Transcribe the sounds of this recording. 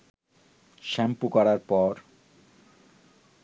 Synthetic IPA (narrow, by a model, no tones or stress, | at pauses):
ʃɛmpukɔɾaɾpɔɾ